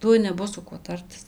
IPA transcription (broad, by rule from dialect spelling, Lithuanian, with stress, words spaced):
ˈtuɔj nʲɛˈbʊs sʊ ˈkuɔ ˈtɐrʲtʲɪs